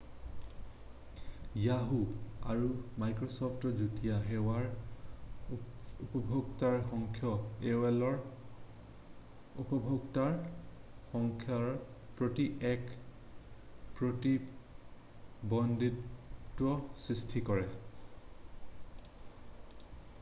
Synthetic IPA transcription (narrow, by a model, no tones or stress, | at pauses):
jaɦua̰ɹumajkɹɔsɔpʰtɔzutijaɦewaɹ | upɔbʱoɡtaɹxɔŋkʰjɔeɛlɔɹ | upɔbʱoɡtaɹ | xɔŋkʰjaɹpɹotiʔɛk | pɹoti | bɔnditːɔsɹistʰikɔɹɛ